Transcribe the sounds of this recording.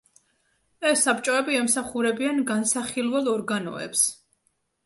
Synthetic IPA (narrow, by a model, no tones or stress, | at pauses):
ɛsːap̚t͡ʃʼɔɛbiɛmsaχuɾɛbianɡansaχilˠwɛlˠɔɾɡanɔ̰ɛ̰ps